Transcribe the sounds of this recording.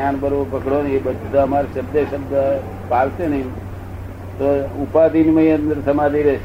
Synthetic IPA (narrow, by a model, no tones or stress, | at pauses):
anbəɾopəkɽoniebəd̪ʱt̪aəmaɾʃəbd̪eʃəb̚d̪ə | palsenəim | t̪oupad̪inməiənd̪əɾsəmad̪iɾe